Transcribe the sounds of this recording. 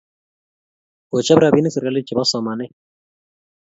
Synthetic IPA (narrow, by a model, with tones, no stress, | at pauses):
ʊ˨t͡ʃa˦bɾa˨βi˦nɪ˦sɪ˨ɾka˦lɪ˦t͡ʃʼi˨βa˦sɔ˨ma˨nɛ˦